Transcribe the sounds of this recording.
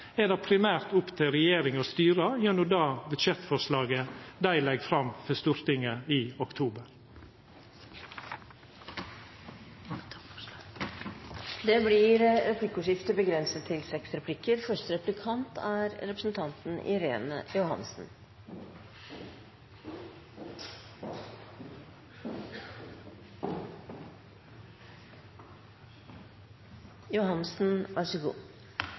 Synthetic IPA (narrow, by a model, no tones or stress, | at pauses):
eːd̪ɛpʰɾɪmæːɾt̪ʊpt̪ʰɪɾɛjeːɾɪŋɔst̪yːɾəjɛnʊd̪ɑːbʉd̪ʃɛt̪fɔʂlɑːɡəd̪æɪlɛɡfɾɑmfɔst̪ʉɾt̪ɪŋəiːɔkt̪ʰuːbəɾ | d̪ɛblɪɾɾɛpʰlɪkːʊʂɪft̪əbəɡɾɛnsət̪ʰːɪlsɛksɾɛpʰlɪkːəɾfœʂt̪əɾɛplɪkʰɑnt̪ʰæːɾɾɛpɾəsn̩t̪ʰɑnt̪n̩ʔɪ̰ɾeːnə̰jʊhɑ̰nsn̩ | jʊhɑnːsn̩ʔæʂəɡṵː